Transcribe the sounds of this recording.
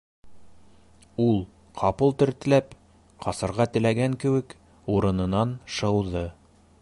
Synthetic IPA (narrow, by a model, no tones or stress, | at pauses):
ulˠ | qʰɑpɤlˠt̪ɘ̆ɾt̪ɘ̆læp | qɑsɤ̆ɾʁɑt̪ɘ̆læɡæŋkɘ̆wɘk | uɾɤ̆nɤ̆nɑnʃɤ̆wðɤ